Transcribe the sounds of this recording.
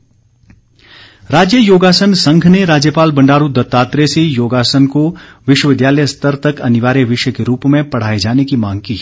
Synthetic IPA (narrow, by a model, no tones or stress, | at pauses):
ɾaːd͡ʒjəjoːɡaːsənsɐ̃ŋɡʱneɾaːd͡ʒjəpaːlbɐ̃ɳɖaːɾud̪ɐt̪ːaːt̪ɾesejoːɡaːsənkoʋɪʃwəʋɪd̪jaːləjst̪əɾt̪ɐkɐnɪʋaːɾeʋɪʃjəkeɾuːpmẽpɐɽ̤aːed͡ʒaːnekimãːŋɡ̚kiː